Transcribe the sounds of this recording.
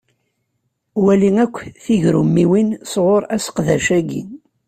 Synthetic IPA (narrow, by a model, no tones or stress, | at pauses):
wæliŋækʷːθiʝɾṵmːiwinsʁoɾˤæsə̥qðæʃæɡḭn